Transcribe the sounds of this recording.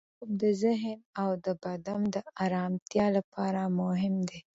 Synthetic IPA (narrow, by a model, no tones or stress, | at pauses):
bd̪əzɪɦnawd̪əbad̪amd̪əaɾɑmt̪jɑlapʰɑɾamʊɦɪmd̪e